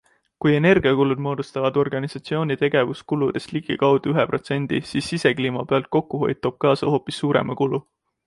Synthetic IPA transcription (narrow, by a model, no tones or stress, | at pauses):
kuje̞ne̞rɡ̥iɑkulud̪mo̞ːd̪ust̪ɑvɑd̪̥o̞rɡ̥ɑnisɑt̪sio̞ːnʲit̪e̞ɡ̥e̞vuskulud̪̥est̪liɡ̥ikɑwd̪̥uyɦepro̞t̪se̞nʲd̪̥ḭsiːsːise̞kliːmɑpeɑlt̪̚ko̞kːˑuɦo̞jt̪ːˑob̥̚kɑːsɑho̞ːpːisːuːɾḛmʔɑkulu